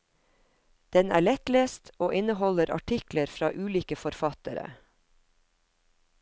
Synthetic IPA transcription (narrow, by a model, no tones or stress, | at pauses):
d̪̥ɛnæ̰ːɭɛt̪leːst̪oːʔɪnəhɔləɾʔɑ̰ʈʰɪkləɾfɾɑ̰ːʔʉːliːkəfɔɾfɑt̪əɾə̰